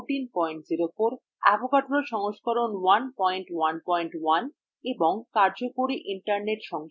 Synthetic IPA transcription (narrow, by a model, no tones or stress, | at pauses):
ʈinpɔjɳʈd͡ʑiɾokoɾ | a̰bokaʈɾoʃɔŋoʃkɔɾonwanpɔjɳʈwanpɔjɳʈwan | eboŋkaɾd͡ʑokoɾiʔiɳʈaɾneʈʃɔŋ